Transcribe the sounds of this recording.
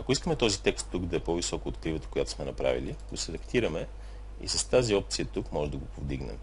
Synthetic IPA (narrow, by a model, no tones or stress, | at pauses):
ɐkoiskəmɛt̪ɔzit̪ɛkst̪ːuɡd̪ɐɛpɔvisɔkoːt̪kɾivət̪ə̥kʊjat̪o̥smɛnɐpɾa̰vḭliɡ̥osɛd̪ɐkt̪iɾəmɛ | ḭsɐst̪aziɔp̚t̪sijət̪ukmɔʒɛd̪ɐɡopovd̪iɡnɛ̰m